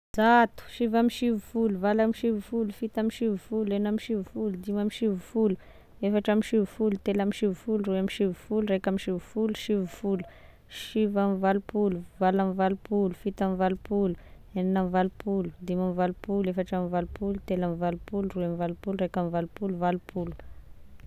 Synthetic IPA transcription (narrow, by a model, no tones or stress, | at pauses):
zat̪u̥ʃivamiʃivufuluvalamiʃivufulufit̪amiʃivufulenamiʃivufulud̪imamiʃivufulu̥ | efaʈ͡ʂamiʃivufulut̪elamiʃivufuluruamiʃivufuluɾekamiʃivu̥fuluʃivufulu̥ | ʃivamivalupuluvalamivalupulufit̪amivalupulu̥ | eninamivalupʰulud̪imamivalupulefaʈ͡ʂamivalupulut̪elamivalupuluruamivalupulurekamivalupuluvalupʰulu̥